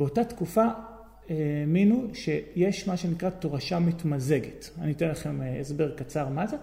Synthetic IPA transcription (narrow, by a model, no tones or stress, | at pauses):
beo̞tatkufa | eminuʃe̞jeʃmaʃe̞nikʁato̞ʁaʃamitmaze̞ɡetanitenlaχe̞mesbe̞ʁkat͡saʁmaze